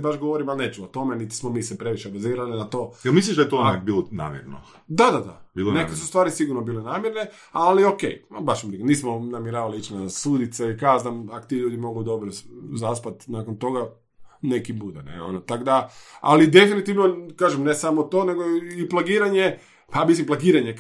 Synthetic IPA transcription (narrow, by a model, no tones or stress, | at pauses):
baʃɡoʋoɾimalnet͡ʃuot̪o̞menit̪i̥smomiːsepɾe̞ʋiʃebaziːɾalinat̪o̞ːjelmisliʒd̪ajt̪okbiːlona̰ːmjɛ̰ɾno | d̪ad̪ad̪a̰biːlonekesust̪ʋaːɾisiɡuɾnobiːlenaːmjeɾne | aliokḛjbaʃmniniːsmonamjeɾaːʋaliit͡ɕnasuːd̪it̪saikaznamakot̪iːʎuːd̪imo̞ɡud̪o̞bɾozaspat̪naːkont̪o̞ɡa | nekibud̪enḛo̰not̪aɡd̪aa̰lid̪e̞finit̪iʋnokaːʒemne̞samot̪one̞ɡoiplˠaɡiːɾaɲe̞ | pamislimplˠaɡiːɾaɲe